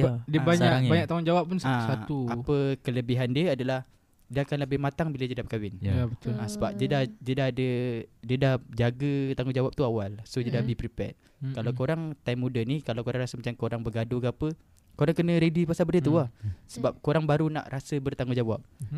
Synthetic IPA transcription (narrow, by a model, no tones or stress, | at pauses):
dibaɲaabaɲakt̪aŋʊŋd͡ʒawap̚ːunsasauapəkələbiɦandiəadalah | dəakanləbɪhmat̪aŋbilad͡ʒədabəkawɪnjabət̪ʊlasəba̰p̚d͡ʒədad͡ʒədaɦadədiədahd͡ʒaɡət̪aŋud͡ʒawap̚t̪uawalsod͡ʒədabipɾipɛ̰t̪̚ | kalawkoɾaŋt̪ajmːudanikalawkoɾaŋɾasəmat͡ʃamkoɾaŋbəɡaduɡapə | koɾaŋkənə̃ɾedipasalbərdiət̪uahsəbap̚koɾaŋbaɾuna̰ʔɾʔasəbərt̪aŋud͡ʒawa̰p̚